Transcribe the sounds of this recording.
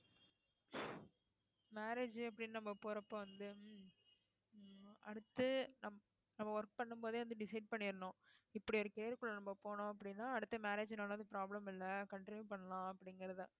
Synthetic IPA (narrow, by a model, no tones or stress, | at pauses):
maːɾeːd͡ʒɯɐpːɐɽɪnnɐmːɐpoːɾɐpːõːʋɐnd̪ɯ | ɐ̰ɽɯt̪ːɯnɐm | nɐmːɐʋɐɾk̚pɐɳːɯmpoːðeːʋɐnd̪ɯɖɪsɐɪɖ̚pɐɳːɪɾɯɳõːɪpːɐɽiɔɾɯkɪɾɐjɐɾkːɯɭːɐnɐmːɐpoːɳõːɐpːɐɽɪnːaːɐɽɯt̪ːɐmaːɾeːd͡ʒnaːlɐnd̪ɯpɪɾaːblɐmɪlːɐkɐɳʈɾɪnjupɐɳːɐlãːɐpːɐɽɪŋɡɐɾɐɯðã̰ː